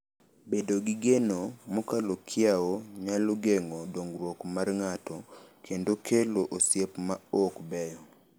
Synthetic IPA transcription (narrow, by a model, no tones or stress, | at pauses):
bedoɡiɡenomɔkalokʰɪaoɲaloɡeŋɔdoŋɡɾwɔkmarŋatɔkʰendokʰeloʔosjepmaɔkbɛjɔ